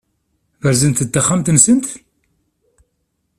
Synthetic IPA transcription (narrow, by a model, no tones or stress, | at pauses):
vəɾzənt̪ət̪ːaχːamt̪nsənt̪